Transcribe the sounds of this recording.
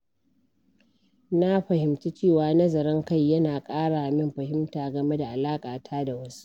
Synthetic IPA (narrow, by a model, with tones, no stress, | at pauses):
na˦ɸɐ˨hɪ˨mti˦t͡ʃeː˦˨waː˨nɐ˦zɐ˨ɾɪ˦ŋka˦˨jːɐ˦naː˨kʼaː˦ɽa˨ʔa˨mɪ˦mɸɐ˨ɦɪ˦mtaː˨ɡɐ˨me˦da˨ʔa˨laː˦kʼaː˨tʰaː˦da˨wɐ˦su̥˦